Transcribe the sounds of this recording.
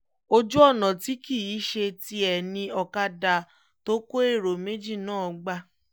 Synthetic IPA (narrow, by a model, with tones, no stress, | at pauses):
o˦d͡ʒu˦ɔ˦˨nã˨ti˨˦ki˦˨i˨˦ʃe˧ti˧ɛ˨nĩ˧ɔ˧ka˧da˨ | to˦ko˦e˦˨ɾo˨me˦d͡ʒi˦˨nãː˦˨ɔ˧ɡ͡ba˧